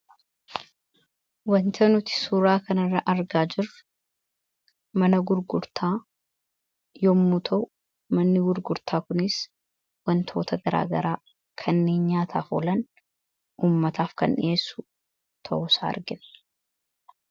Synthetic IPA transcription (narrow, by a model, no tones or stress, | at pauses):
wɐnt̪ʰɐnʊt̪ɪ̥suːɾaːkɐnɐrːɐʔɐɾɡaːd͡ʒɪrʊ | mɐnɐɡʊɾɡʊɾt̪ʰaː | jɔmːʊt̪ʰɐʔʊ | mɐnːɪɡʊɾɡʊɾt̪ʰaːkʊnɪs | wɐnt̪ʰo̞ːt̪ɐɡɐɾa̰ːɡɐɾaː | kʰɐnːeːɲɲaːt̪ʰaːfo̰lɐn | uːmːɐt̪ʰaːfkɐ̰nʔɪ̰eːsːʊ̥ | t̪ʰɐ̰ʔʊsaːɐ̰ɾɡɪn